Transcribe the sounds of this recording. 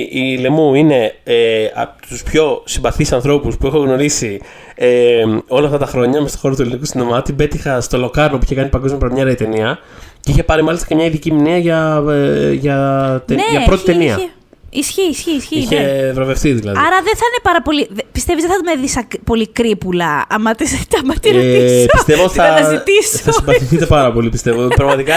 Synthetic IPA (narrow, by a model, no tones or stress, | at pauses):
ile̞muine̞eɐ̰t̪uspço̞simbɐθisɐnθɾo̞puspuexoɣno̞ɾisi | eo̞lɐft̪ɐt̪ɐxɾo̞ɲɐmest̪o̞̥xo̞ɾot̪uelinikusinðomɐt̪ibe̞t̪ixɐst̪o̞lo̞kɐɾnop̬uiçe̞kɐnipɐɡomjɐpɐɾɐmɲɐɾɐit̪e̞niɐ | ceiçe̞pɐɾimɐlist̪ɐcemɲɐiðiciminiɐʝɐ | ʝɐt̪eneʝɐpɾo̞t̪it̪eniɐ | isçiːsçiːsçiiçevɾo̞vefθiðilɐ̰ðɐɾɐðeθɐinepɐɾɐpo̞liðpist̪evizðeθɐt̪umeðisɐkpo̞likɾipulɐɐmɐt̪iset̪ɐmɐt̪iist̪evot̪θɐɐzit̪isθɐsibɐθiθit̪e̞pɐɾɐpo̞lipist̪evopɾɐɣmɐt̪ikɐ